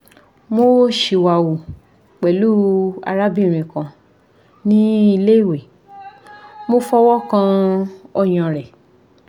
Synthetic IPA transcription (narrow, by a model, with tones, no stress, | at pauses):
mo˦ʃe˨wa˨wu˨ | k͡pɛ˨lu˦a̰˧ɾa˦bi˦˨ɾ̃ĩ˨kã˧˨ | nĩ˦i˧le˦i˦˨we˨ | mo˧fɔ˦wɔ˦kã˧ɔ˧j̃ã˨ɾɛ˨